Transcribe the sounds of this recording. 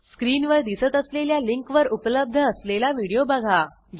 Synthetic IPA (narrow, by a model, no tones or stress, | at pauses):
skɾiːnʋəɾd̪isət̪əsleljaliŋkʋəɾupləb̚d̪ʱəːslelaʋiɽijobaɡʱa | d͡ʑ